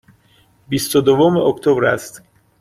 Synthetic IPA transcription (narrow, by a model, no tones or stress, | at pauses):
bist̪od̪ovomeokt̪ʰobɾæ̰st̪